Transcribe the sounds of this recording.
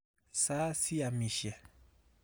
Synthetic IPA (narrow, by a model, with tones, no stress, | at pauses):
sa˦si˦a˨mĩ˨ʃjɛ˨